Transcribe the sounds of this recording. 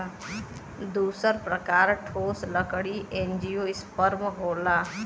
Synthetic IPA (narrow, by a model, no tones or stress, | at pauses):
d̪uːsəɾpɾəkaːɾʈʰoːsləkɽiʔẽːnd͡ʒijoːɪspəɾmɦoːlaː